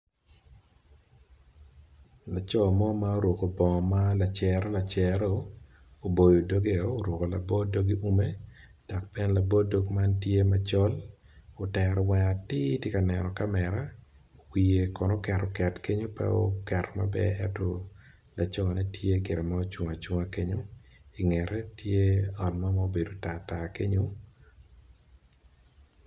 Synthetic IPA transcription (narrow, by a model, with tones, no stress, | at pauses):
la˨t͡ʃɔ˦mɔ˦ma˦o˦ɾwo˨ko˨bɔ˨ma˦la˨t͡ʃɛ˨ɾo˦la˨t͡ʃɛ˨ɾo˦ | o˨bo˨jo˨do˦ɡe˦oː˦ɾwo˨ko˨la̰˨bɔ˦do˦ɡi˦u˦me˦ | d̥a˨k̚pɛ˦n˦la˨bɔ˦do˦ɡma˦ntje˦mat͡ʃɔ˦l | o˨tɛ˨ɾɔ˨wɛ˨a˨tɪ˦tje˦ka˨nɛ˨nɔ˨ka˦mɛ˨ɾa˦ | wi˨e˨kɔ˨nɔ˦kɛ˨rɔ˨kɛ˨tke˦ɲo˦pɛ̰˦o̰kɛ˨rɔ˨ma̰˦bɛ̰˦ɛ˦tɔ˦ | la˨t͡ʃɔ˦a˨nɛ˦tʰje˦ɡɪ˨ɾɛ˨ma˦o˦t͡ʃwɔ˨ŋa˨t͡ʃwʊ˦ŋa˦ke˦ɲo˦i˨ŋɛ˨ɾɛ˦tʰje˦ɔ˨nma˦ma˦o˦be˨do˨ta˨ta˨ke˦ɲo˦